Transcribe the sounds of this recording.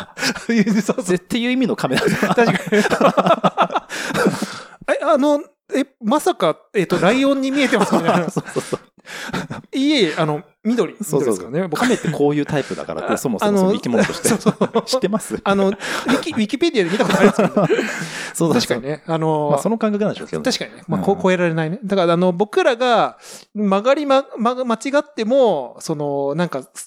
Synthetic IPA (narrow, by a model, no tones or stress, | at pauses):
ot̪ːe̞jɯ̟ːimʲino̞kʰamed̪at̪aɕikaɲ | eano̞ | emasaka | eːt̪ːo̞ɾaiõ̞ɲ̟ːimʲie̞t̪e̞masɨit̪aasososo | ieano̞ | mʲid̪o̞ɾʲismiodokanebokame̞t̪ːekʰo̞ːjɯ̟ːt̪aipɯ̟d̪a̰ka̰ɾa̰esomosannoikʲimõoɕit̪eooɕi̥t̪ːemasɨano̞ikʲiɥʲikʲipe̞d̪ʲijad̪emit̪akotoaɾmasm̃ | sot̪aɕi̥kaɲine̞ano̞masono̞kãŋkakɯnãnd̪ḛokḛt̪aɕi̥kaɲ̟inemakoko̞e̞ɾaɾe̞naine̞d̪akaɾaːno̞bo̞kɯ̟ɾaɡa | maɡaɾʲimamamat͡ɕiɡat̪ːe̞moso̞no̞nãŋka